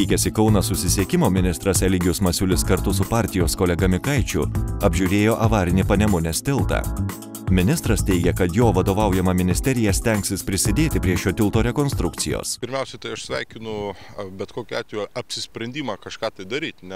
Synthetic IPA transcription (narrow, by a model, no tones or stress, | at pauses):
ɪkʲɛsʲɪkɐʊnɐsʊsʲɪsʲeɛkʲɪmoːmʲɪnʲɪst̪ɾɐsɛlʲɪɡʲʊsmɐsʲʊlʲɪskɐɾt̪ʊsʊpɑːˑɾʲt̪ʲɪjoːskoːlʲɛɡɐmʲɪkɐɪt͡ʃʲʊ̰ɐbʲʒʲuɾʲeːjoːʔɐʋɑːɾʲɪnʲiːpɐnʲɛmʊnʲɛsʲt̪ʲɪlˠt̪ɑ̰ː | mʲɪnʲɪst̪ɾɐst̪ʲɛɪɡʲɛkɐt̪joːʋɐd̪oːʋɐʊjɛmɐmʲɪnʲɪsʲt̪ʲɛɾʲɪjɛsʲt̪ʲɛŋksʲɪspʲɾʲɪsʲɪd̪ʲeːt̪ʲɪpʲɾʲiɛʃʲoːt̪ʲɪlˠt̪oːɾʲɛkoːnst̪ɾʊkt̪sʲɪjo̰ːspʲɪɾʲmʲɛˑʊsʲɛt̪ɐɪɐʃsʲʋʲɛɪkʲɪnʊbʲɛt̪koːkʲʊɑːt̪ʲʋʲejɐpʲsʲɪsʲpʲɾʲɛnʲd̪ʲiːmɑːkɐʃkɑːt̪ɐɪd̪ɐɾʲiːt̪ʲnʲɛ